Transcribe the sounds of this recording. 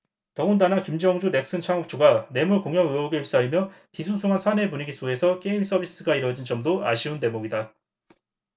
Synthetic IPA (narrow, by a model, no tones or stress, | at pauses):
tʌŋundanakimd͡ʑʌŋd͡ʑune̞s͈ɯnt͡ɕʰaŋuk̚t͡ɕʰoɡane̞muɭkoŋjʌŋɯoɡeips͈aimjʌtisʰunsʰuŋɦansʰane̞puɲiɡis͈oe̞sʰʌk͈eimis͈ʌbʱis͈ɯɡaiɾwʌd͡ʑind͡ʑʌmdoa̰ɕʰiunte̞moɡida